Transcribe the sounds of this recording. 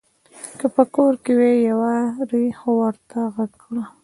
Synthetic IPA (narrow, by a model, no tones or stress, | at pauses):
kəpəkoɾkewejawaɾixowəɾt̪aɣaɡkɽa